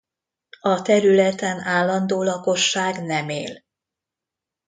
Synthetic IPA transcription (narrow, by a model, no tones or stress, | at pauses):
ɒt̪ɛɾylɛt̪ɛnaːlːɒnd̪oːlɒko̞ʃːaːɡnɛmḛːl